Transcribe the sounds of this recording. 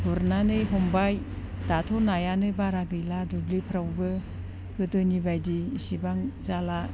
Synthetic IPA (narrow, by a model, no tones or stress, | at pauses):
buɾnanɯjɦɔmbaj | datʰɔnajanɯbaɾaɡɯjladublipʰɾawbɯ | ɡɯtɯnibajdisibaŋzala